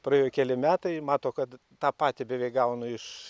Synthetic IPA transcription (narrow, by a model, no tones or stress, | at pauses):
prɐeːjojkʲɛlʲɪmʲæːt̪ɐɪmɑːt̪oːkɐt̪ | t̪ɑːpɑːt̪ʲɪbʲɛʋʲeɪkɡɐʊnʊɪʃ